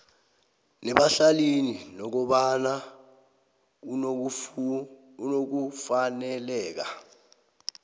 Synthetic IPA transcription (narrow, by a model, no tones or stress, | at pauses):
nɛɓaɬalininɔk̬ɔɓana | unok̬ufanɛlɛːk̬a